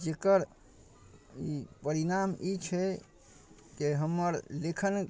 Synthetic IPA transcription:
d͡ʒekəɾ | ipəɾinamit͡ʃʰɛ | keɦəmːəɾlekʰən

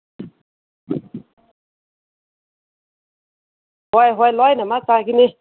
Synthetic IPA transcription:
hwajɦwajlajnamat͡sãkini

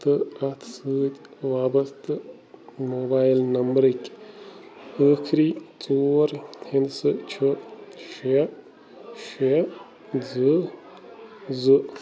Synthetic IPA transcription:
t̪ɨɐt̪ʰsɨːt̪ʲʋaːbɐst̪ɨ | moːbaːjlnɐmbɾɨkʲ | əːkʰɾit͡soːɾhinsɨt͡ʃʰuʃe | ʃe | d͡zɨ | d͡zɨ

